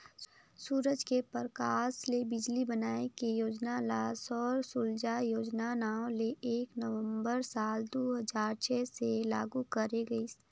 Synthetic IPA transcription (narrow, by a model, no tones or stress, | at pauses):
suːɾəd͡ʒkepəɾəkaːslebɪd͡ʒlibənaːekijoːd͡ʒnalaːsɔːɾsuld͡ʒajoːd͡ʒnanaːõleʔeːknəʋə̃mbəɾsaːld̪oːɦəzaːɾt͡ʃʰɛːsela̰ːɡukəɾeɡɐi